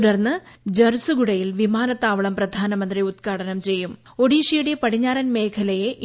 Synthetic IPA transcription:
ɽɐrnːɨd͡ʑɐrsɨɡuɽɐjilʋimaːnɐt̪ːaːʋɐɭɐmprɐd̪ʱaːnɐmɐnd̪riut̪̚kaːɽɐnɐmt͡ɕe̞jːum | o̞ɽiːʂijuɽepɐɽiɲːaːɾɐnme̞ːkʰɐlɐjeʔ

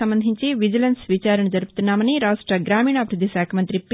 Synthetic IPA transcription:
ɐmbɐnd̪ʱiɲt͡ʃiʋid͡ʒɐlɐnsʋit͡ʃaːɾɐɳɐd͡ʒɐɾuput̪unːaːmɐniɾaːʂʈɾɐɡɾaːmiːɳɐːbʱiɾud̪ʱːiʃaːkʰɐmɐnt̪ɾip

